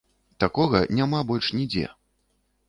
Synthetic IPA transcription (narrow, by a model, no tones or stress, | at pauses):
t̪akɔɣɐnʲamabɔlʲʂnʲid͡zʲɛ̰